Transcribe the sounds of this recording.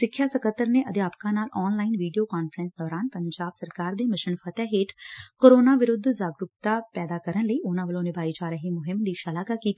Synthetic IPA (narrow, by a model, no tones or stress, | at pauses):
sɪkʰːjaːsəkət̪ːəɾneːʔəd̪eaːpkãːnaːlʔɔːnlaːinʋiːɖijoːkaːnfəɾə̃nsd̪ɔːɾaːnpəɲd͡ʒaːb̥səɾkaːɾd̪eːmɪʃɪnfʰət̪aːɦɪʈʰkoːɾoːnaːʋɪɾʊd̪ʱzaːɡɾʊpt̪aːpɛːd̪aːkəɾənləiːʔʊnãːʋəlõːnɪbaːiːd͡ʒaːɾəɦiːmʊɦɪmd̪iːʃalaːɡaːkiːt̪i